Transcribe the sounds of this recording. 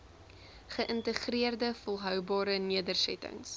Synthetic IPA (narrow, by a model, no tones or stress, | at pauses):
χəʔəntəχriərdəfolˠɦœwbɑːɾəniədərsɛtə̰ŋs